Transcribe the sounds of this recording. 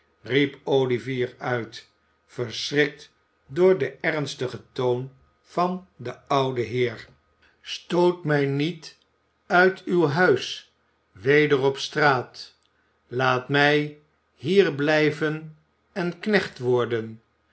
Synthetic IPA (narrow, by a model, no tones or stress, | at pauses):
ripowliviːɹœɥt | fəɹsrɪk̚t | dʊːɹdəʔɛɹnstəχətown | v̥ɑndəʌwdəɦɪːɹ | stowtmɛjnit | œɥtʰywɦœɥs | ʋejdərɔpstraːt | laːtmɛj | ɦiːɹblɛjvən | ɛnknɛχtʋɔɹdən